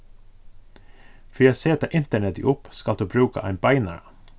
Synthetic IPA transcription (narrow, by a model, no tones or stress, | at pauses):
fœjæseːt̪ɑʔɪnt̪əɳɛt̪ɪ̰ʔʊpskɑld̪ʉːbɾʉːkɑ̰ʔæɪnbɑɪnɑ̰ɾ